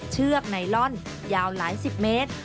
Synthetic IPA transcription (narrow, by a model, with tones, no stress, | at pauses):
t͡ɕʰɯ˥˩ək̚na˧jlɔ˥˩n | jaː˧wlaː˩˦jsi˨˩p̚meː˦˥t̪̚